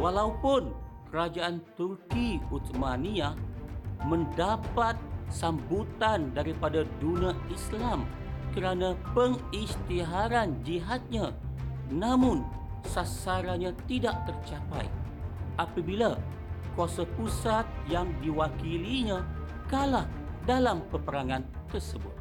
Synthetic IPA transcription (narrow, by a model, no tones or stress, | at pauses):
walaupʊnkəɾad͡ʒaʔant̪urkiut̪mania | mə̃ndapat̪̚sambut̪andaɾipadaduniaislam | kəɾanapəŋist̪iɦaɾand͡ʒiɦat̪̚ɲa | namʊn | sasaɾaɲãt̪idaʔt̪ərt͡ʃapa̰j | ʔapabila | kəwasapusat̪̚jaŋdiwakiliɲã | kalahdalampəpəɾaŋãnt̪ərsəbʊt̪̚